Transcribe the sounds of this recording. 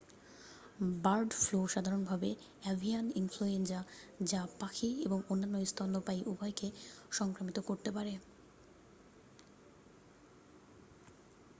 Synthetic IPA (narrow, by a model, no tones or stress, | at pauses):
baɾɖfloʃad̪ʱaɾonbʱabe | ɛvʱianinfluensad͡ʑapakʰieboŋonːanːoist̪ʰɔnd̪opajʔubʱɔjkeʃɔŋkɾamit̪okoɾt̪epaɾe